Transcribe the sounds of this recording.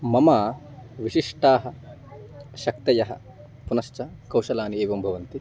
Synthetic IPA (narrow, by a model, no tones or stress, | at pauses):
mɐmɐːʋiʃiʂʈaːɦɐ̆ | ʃɐkt̪ɐjɐɦɐ̰ | punɐʃt͡ʃɐkɐwʃɐlaːnieːʋɐmbʱɐʋɐnt̪i